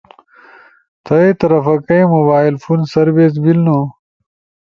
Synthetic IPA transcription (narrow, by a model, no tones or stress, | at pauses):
t̪ʰɐet̪ɐɾɐfɐkɐjmobaːilfunsɐɾbes̬bilno